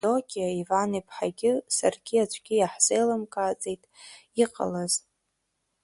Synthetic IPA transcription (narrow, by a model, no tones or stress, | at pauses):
dokʲʰʼiaivanipʰʼħaɡʲɪsa̰rɡʲiat͡ʃʷʰɡʲɪjaħz̥ejlamkʼaːt͡sʼejtʼiqʼa̰laz